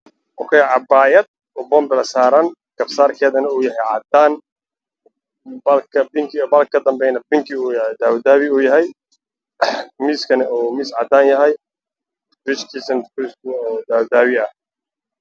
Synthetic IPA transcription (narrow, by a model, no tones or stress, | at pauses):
ʔɔ̰kʰɛːjʕɑbaːjɐd̪̚ | ɔbɔmbɪlɐsaːɾɐŋkʰɐbsaːrkʰɛːðɐnɐuːjɐɦɛjʕɑd̪aːn | bɐlkʰɐbɪŋkʰɪbɐlkʰɐd̪ɐmbɛjnɐbɪŋkʰɪud̪aːwd̪aːβɪuːjɐɦɛj | miːskʰɐnɛɔːmiːsʕɑd̪aːnjɐɦɛj | bɪʃkʰiːsɐnpɾɪst̪ʊɔːd̪aːwd̪aːβɪɐh